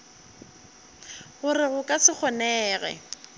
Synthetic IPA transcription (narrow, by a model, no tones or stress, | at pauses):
ɣʊrɪɣʊkʼasɪk͡xʰɔnɛːɣɛ̰